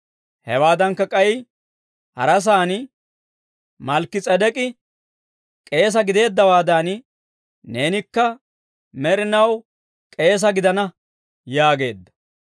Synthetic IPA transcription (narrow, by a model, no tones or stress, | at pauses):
hɛ̰waːd̪ɐŋkːɐkʼɐj | hɐ̰ɾɐs̬aːn | mɐlkːɪt͡sʼɐd̪ɛkʼɪ | kʼe̞ːs̬ɐɡɪd̪e̞ːd̪ːɐwaːd̪an | ne̞ːnɪkːɐ | mɛɾɪnɐw | kʼe̞ːs̬ɐɡɪd̪ɐnɐ | jaːɡe̞ːd̪ːɐ̥